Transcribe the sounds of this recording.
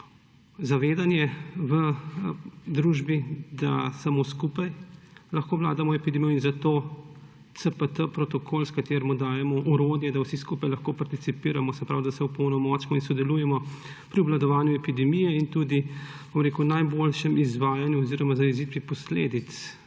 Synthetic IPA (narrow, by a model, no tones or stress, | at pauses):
zaʋeːd̪anjɛʋə | d̪ɾuʒbid̪asamoskuːpajlɐxkoːʋla̰ːd̪amɔɛpid̪ɛmijɔinzat̪oː | t̪səpət̪əpɾɔt̪ɔkʰoːlskat̪eːɾmɔd̪aːjɛmɔʔuɾoːd̪jɛd̪awsiskupajlɐxkopaɾt̪it̪sipiːɾamɔsɛpɾawd̪asɛwpɔwnɔmɔːt͡ʃmɔinsɔd̪ɛluːjɛmɔ | pɾiublad̪ɔʋaːnjuɛpid̪ɛmijɛint̪ud̪ibomɾeːkunajbolʃɛmizʋaːjanjuɔziɾɔmazaizit̪ʋipɔslḛːd̪it̪s